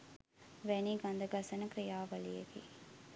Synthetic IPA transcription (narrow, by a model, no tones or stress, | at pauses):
ʋæniːɡand̪əɡɐsɐnəkɾijaːʋɐlietḭː